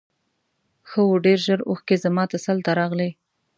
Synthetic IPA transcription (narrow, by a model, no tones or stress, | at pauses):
xəwoɖeɾʒəɾo̰xkezamɑt̪asalt̪aɾɑɣle